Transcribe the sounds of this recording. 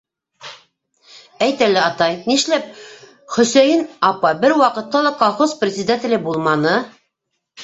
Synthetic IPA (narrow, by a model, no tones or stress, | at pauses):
æjt̪ælɘɑt̪ɑjniʃlæp̚ | χɵ̆sæjɘnɑpɑbɘɾwɑqɤ̆t̪ːɑlˠɑkolˠχozprʲɪzʲɪd̪at̪ʲɪ̆lʲɘbulˠmɑnɤ